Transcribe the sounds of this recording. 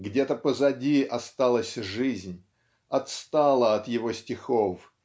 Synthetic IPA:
ɡdʲet̪əpəzɐdʲiɐst̪alˠəsʲʐɨzʲnʲ | ɐt̪st̪alˠəɐt̪jɪvosʲtʲɪxof

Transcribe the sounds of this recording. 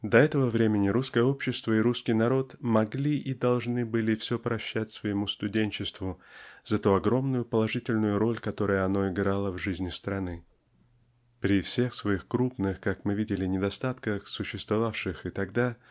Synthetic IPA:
d̪ɐɛt̪əvəvɾʲemʲɪnʲɪɾuskəjəo̞pɕːɪst̪vəɪɾuskʲɪjnɐɾo̞t̪mɐɡlʲiʔid̪ɐlˠʐnɨbɨlʲɪfsʲɵpɾɐɕːætʲsvəjɪmust̪ʊdʲenʲt͡ɕɪst̪vʊzɐt̪uɐɡɾo̞mnʊjʊpəlˠɐʐɨtʲɪlʲnʊjʊɾo̞lʲkɐt̪o̞ɾɨjəɐno̞ɪɡɾalˠəvʐɨzʲnʲɪst̪ɾɐnɨ | pɾʲɪfsʲe̞xsvɐixkɾupnɨxkakmɨvʲidʲɪlʲɪnʲɪd̪ɐst̪at̪kəxsʊɕːɪst̪vɐvafʂɨxɪt̪ɐɡd̪a

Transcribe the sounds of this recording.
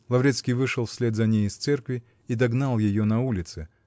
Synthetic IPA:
lˠɐvɾʲet̪skʲijvɨʂɨlˠfsʲlʲet̪zɐnʲejɪst̪sɛrkvʲɪ | id̪ɐɡnalˠjɪjonɐulʲɪt̪sɨ

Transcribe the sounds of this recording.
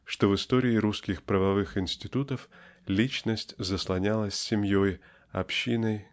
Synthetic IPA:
ʂt̪o̞vɨst̪oɾʲɪːɾuskʲɪxpɾəvɐvɨxɪnʲsʲtʲɪt̪ut̪əflʲit͡ɕnəsʲtʲzəslˠɐnʲalˠəsʲsʲɪmʲjoj | ɐ̰pɕːinəj

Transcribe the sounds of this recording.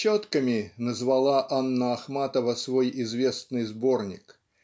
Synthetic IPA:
t͡ɕːot̪kəmʲɪnəzvɐlˠaʔanːəːxmat̪əvəsvo̞jɪzvʲe̞snɨjzbo̞rnʲɪ̰k

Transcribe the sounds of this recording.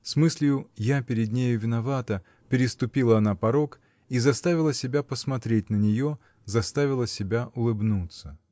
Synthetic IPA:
smɨsʲlʲjʊjapʲɪɾʲɪd̪nʲejʊvʲɪnɐvat̪ə | pʲɪɾʲɪst̪ʊpʲilˠəɐnapɐɾo̞k | izɐst̪avʲɪlˠəsʲɪbʲapəsmɐt̪ɾʲetʲnənʲɪjo̞ | zɐst̪avʲɪlˠəsʲɪbʲaʔʊlˠɨbnut̪sə

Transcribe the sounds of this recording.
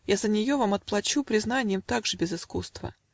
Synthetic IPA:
jazənʲɪjo̞vamɐt̪̚plˠɐt͡ɕupɾʲɪznanʲɪjəmt̪aɡʐɨbʲɪzɨskust̪və̰

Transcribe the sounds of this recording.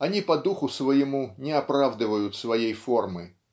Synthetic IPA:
ɐnʲipɐd̪uxʊsvəjɪmunʲɪɐpɾavd̪ɨvəjʊt̪svɐjejfo̞rmɨ

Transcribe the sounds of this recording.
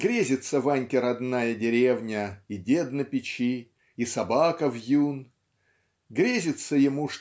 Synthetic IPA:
ɡɾʲezʲɪt̪səvanʲkʲɪɾɐd̪najədʲɪɾʲevnʲəidʲed̪nəpʲɪt͡ɕi | isɐbakəvjun | ɡɾʲezʲɪt̪səjɪmuʂ

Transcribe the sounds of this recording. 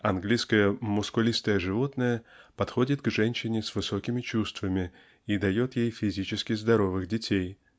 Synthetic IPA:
ɐnɡlʲijskəjəmʊskʊlʲist̪əjəʐɨvo̞t̪nəjəpɐt̪xo̞dʲɪt̪̚ɡʐɛnʲɕɪnʲɪsvɨso̞kʲɪmʲɪt͡ɕust̪vəmʲɪ | id̪ɐjo̞t̪jejfʲɪzʲit͡ɕɪskʲɪzd̪ɐɾo̞vɨxdʲɪtʲej

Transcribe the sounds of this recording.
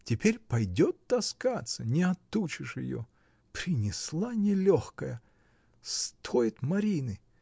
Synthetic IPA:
tʲɪpʲeɾʲpɐjdʲot̪̚ːɐskat̪sənʲɪɐt̪ut͡ɕɪʂjɪ̰jo̰ | pɾʲɪnʲɪslˠanʲɪlʲoxkəjə | st̪ʰojɪt̪mɐɾʲinɨ

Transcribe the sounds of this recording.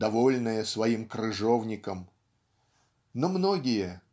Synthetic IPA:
d̪ɐvolʲnəjəsvɐimkɾɨʐovnʲɪkəm | nomnoɡʲɪjə

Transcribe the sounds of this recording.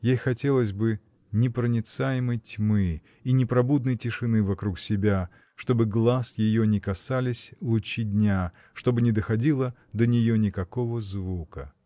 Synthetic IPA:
jejxɐtʲe̞lˠəzʲbɨ | nʲɪpɾənʲɪt̪sajɪməjtʲmɨ | inʲɪpɾɐbud̪̚nəjtʲɪʂɨnɨvɐkɾuksʲɪbʲa | ʂt̪o̞bɨɡlˠasjɪjonʲɪkɐsalʲɪsʲlˠʊt͡ɕidʲnʲa | ʂt̪o̞bɨnʲɪd̪əxɐdʲilˠə | d̪ənʲɪjonʲɪkɐko̞vəzvukə̰

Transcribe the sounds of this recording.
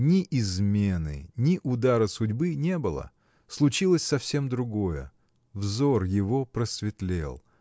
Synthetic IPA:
nʲɪʔɪzmʲe̞nɨ̰nʲɪʔʊd̪aɾəsʊdʲbɨnʲe̞bɨlˠə̰ | slˠʊt͡ɕilˠəsʲsɐfsʲe̞md̪ɾʊɡo̞jə̰ | vzorjɪvo̞pɾəsvʲɪt̪lʲḛlˠ

